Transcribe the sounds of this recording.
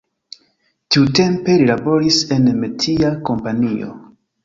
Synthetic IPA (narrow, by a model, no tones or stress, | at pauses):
tiute̞mpe̞lilabo̞ɾise̞nmetʰiako̞mpanio̞̰